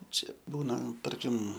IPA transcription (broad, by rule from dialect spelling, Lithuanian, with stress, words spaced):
ˈt͡ʃʲɛ ˈbuːnɐ ˈtɐrʲkʲɪm